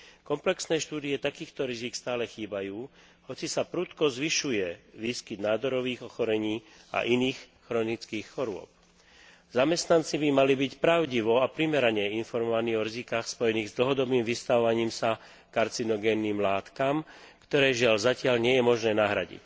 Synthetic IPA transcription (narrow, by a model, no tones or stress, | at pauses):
kɔmplɛksnɛːʃt̪uːd̪ijɛt̪akiːxt̪ɔɾizikst̪aːlɛxiːbajuː | hɔt͡sisapɾut̪kɔzʋiʃujɛʋiːskid̪naːd̪ɔɾɔʋiːɣɔxɔɾɛɲiː | a̰ʔiniːxxɾɔnit͡skiːxxɔɾʊɔ̰p̚ | zamɛst̪nant͡sibimalibicpɾaʊɟiʋɔapɾimɛɾaɲɛinfɔɾmɔʋaniːɦɔɾizikaːxspɔjɛniːɣzd̪l̩ɦɔd̪ɔbniːmʋist̪aʋɔʋaɲiːmsa | kaɾt͡sinɔɡɛːnːiːmlaːt̪kamkt̪ɔɾɛːʒɪaʎzacɪaʎɲɪɛjɛmɔʒnɛːnaɦɾa̰ɟḭc